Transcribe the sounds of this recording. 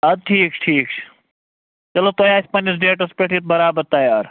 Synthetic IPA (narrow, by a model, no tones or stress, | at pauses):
ɐd̪̚ʈʰiːkt͡ʃʰʈʰiːkt͡ʃʰ | t͡ʃɐloːt̪oːjaːsʲpɐnis̬ɖeːʈɐspeʈʰit̪̚bɐɾaːbəɾt̪ɐjaːɾ